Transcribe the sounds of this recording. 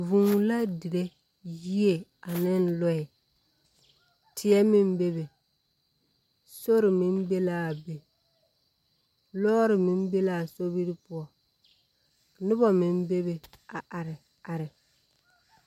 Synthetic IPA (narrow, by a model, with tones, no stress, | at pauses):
vũ˨ŋ˨la˦di˨ɾe˦ | ji˦e˨a˨nɪ˦n˦lɔ˦ɪ˨ | tʰɪ˨˦ɛ˦mɪ˦m˦be˦be˨ | so˦ɾɪ˨mɪ˦m˦be˦laː˦˨be˨ | lɔː˦ɾɪ˨mɪ˦m˦be˦laː˨so˦bi˦ɾɪ˦pʊ˦ɔ˨ | nʊ˦bɔ˨mɪ˦m˦be˦be˨ | a˨ʔa˨ɾɪ˨ | a˨ɾɪ˨